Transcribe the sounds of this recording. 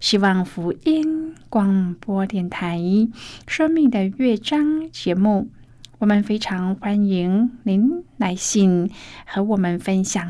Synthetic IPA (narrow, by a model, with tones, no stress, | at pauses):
ɕi˥wɑ˥˩ŋfu˧˥i˥nkwɑ˨˥˩ŋpwɔ˥t̪jɛ˥˩nt̪ʰa˧˥ɪʂə˥ŋmi˥˧ŋd̪ə˨ɥɛ˥˩ʈ͡ʂɑ˥ŋt͡ɕjɛ˧˥mu˥˩ | wɔ˨˩mə˨nfe˥ɪʈ͡ʂʰɑ˧˥ŋxwa˥ni˧˥ŋni˧˥nna˧˥ɪɕi˥˩ŋxɤ˧˥wɔ˨˩mə˨nfə˥nɕjɑ˨˩ŋ